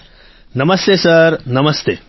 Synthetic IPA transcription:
nɐmɐst̪eːsɐɾnɐmɐst̪eː

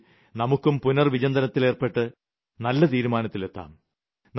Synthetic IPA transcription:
nɐmukːumpunɐrʋid͡ʑɐnd̪ɐnɐt̪ːileːrpe̞ʈːɨ | nɐlːɐt̪iːɾumaːnɐt̪ːile̞t̪ːa̰ːm | n

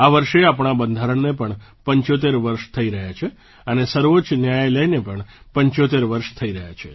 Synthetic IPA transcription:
aʋəɾʃeapɳabənd̪ʱaɾəɳnepəɳpəɲt͡ʃot̪̬eɾʋəɾʃt̪ʰəiɾəɦjat͡ʃʰe | ənesəɾʋot͡ʃnjajləjnepəɳ | pəɲt͡ʃot̪eɾʋəɾʃt̪ʰəiɾəɦjat͡ʃʰe

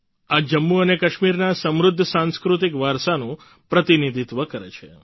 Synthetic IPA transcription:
ad͡ʒəmːuənekəʃmiɾnasə̃mɾʊd̪ʱːəsãnskɾut̪ikʋaɾsanũ | pɾət̪inid̪ʱit̪ʋəkəɾet͡ʃʰe

